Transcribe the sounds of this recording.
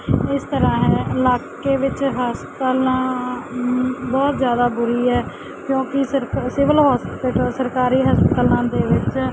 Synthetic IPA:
ɪst̪əɾãːɦɛːɪlaːkeːʋɪt͡ʃɦaːspət̪əlãː | bɔːt̪zjaːd̪aːbʊɾiːɛː | kjõːkɪəsɪʋəlɦɔːspɪʈːsəɾkaːɾiːɦəspət̪əlãːd̪eːʋɪt͡ʃ

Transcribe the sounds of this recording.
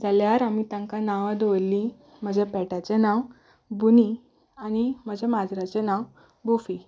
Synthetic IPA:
d͡zaljaɾam̤it̪ãŋkanaʋad̪ʋlːĩ | m̤əd͡ʑʱepɛʈat͡senaw | buni | añim̤əd͡ʑʱemad͡zɾat͡ɕenaw | bufi

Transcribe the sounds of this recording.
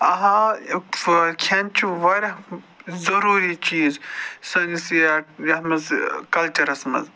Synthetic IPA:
ɐɦãfkʰɐnt͡ʃʰiʋɐɾʲ | zɐɾuːɾit͡ʃiːzsɐnisjajɐmɐzkɐlt͡ʃɐɾɐsmɐ̰z

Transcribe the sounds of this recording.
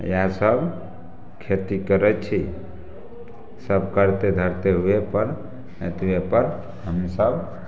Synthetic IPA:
jãsəbʱ | kʰet̪ikəɾɛt͡ʃʰi | səb̚ʱkəɾt̪ed̪ʱəɾt̪eɦuepəɾ | et̪uepəɾ | ɦəmisəb

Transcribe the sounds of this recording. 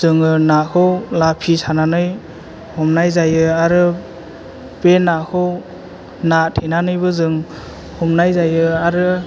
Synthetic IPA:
zɯŋɯnakʰɯwlapʰisananɯj | hɔmnajzajɯaɾɯ | penakʰɯw | natʰenanɯjbɯzɯŋ | hɔmnajzajɯaɾɯ

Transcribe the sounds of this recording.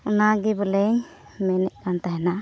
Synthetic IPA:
unaɡɛbɔlɛɲ | mɛnɛʔkant̪aɦɛna

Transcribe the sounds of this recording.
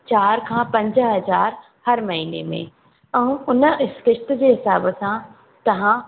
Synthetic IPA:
t͡ɕaːɾkʰãpɐ̃ɲd͡ʑəɦɐzaːɾ | hɐɾmɐɦiːnemḛ̃ | ɛ̃ːʊnəɪskɪʃt̪ə̆d͡ʑeːɦɪsaːbəsã | t̪ɐʋ̤ã

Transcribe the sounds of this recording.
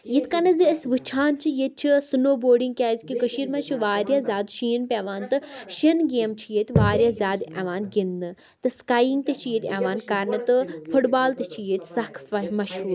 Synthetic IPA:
jit̪ʰʲkɐnɐziəsʋɨt͡ʃʰaːnt͡ʃʰijet̪̚t͡ʃʰisunoːboːɖiŋɡ̚kʲaːzʲkikəʃiːɾmɐt͡ʃʰuʋaːɾjaːzʲaːd̪ʃiːnpʲeʋaːnt̪ɨʃɐnɡeːmt͡ʃʰijet̪ʲʋaːɾjaːzʲaːd̪ɐ̰ʋaːnɡind̪ɨ | t̪ɨskaːjiŋɡ̚t̪et͡ʃʰijet̪ʰʲaʋaːnkɐɾnɨt̪ɨfʰuʈbaːlt̪et͡ʃʰijet̪ʲsɐkʰfɐmɐʃuː

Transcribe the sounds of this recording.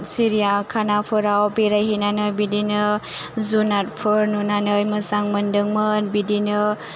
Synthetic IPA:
siɾijakʰanapʰɯɾawbiɾajɦinanɯbidinɯ | zunat̚pʰɯɾnunanɯjmɯzaŋmɯndɯŋmɯnbidinɯ

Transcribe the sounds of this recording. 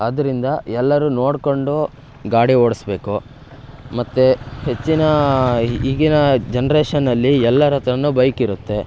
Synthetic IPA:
ɐd̪ɐɾind̪ɐɛlːɐɾuno̞ːɽko̞ɳɖu | ɡaːɽioːɽisbe̞ːku | mɐt̪ːehe̞t͡ʃːinɐ | iɡinɐd͡ʒenɐɾeːʂɐnːɐlːiɛlːɐɾɐt̪ɾɐnːuːbɐjkiɾut̪ːe̞

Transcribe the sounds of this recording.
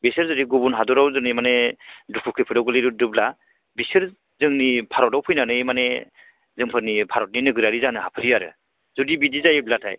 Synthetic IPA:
besɯɾzɔɾiɡubunɦadɔɾawzɯŋnimanedukʰukʰɯpʰɯdɔwɡɯliɾudɯbla | bisɯɾ | zɯŋnipʰaɾɔtawpʰɯjnanɯjmane | zɯŋpʰɯɾnipʰaɾɔt̚ninɯɡɯɾaɾizanɯhapʰɯɾiaɾɯ̰ | zudibidizajblatʰa̰j

